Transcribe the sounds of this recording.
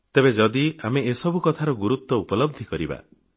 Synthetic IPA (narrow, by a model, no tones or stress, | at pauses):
t̪ebed͡ʒɔd̪iameesɔbukɔt̪ʰaɾɔɡuɾut̪wɔupɔlɔb̚d̪ʱikɔɾiba̰